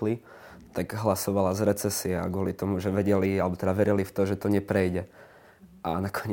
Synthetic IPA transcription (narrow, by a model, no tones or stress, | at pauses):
li | t̪aɡɦlasɔʋalazɾɛt͡sɛsiɛa̰ɡʊɔlit̪ɔmuʒɛʋɛɟɛlialɛbɔt̪ɛd̪aʋɛɾilift̪ɔʒɛt̪ɔɲɛpɾɛjɟɛ | ʔanakʰɔɲ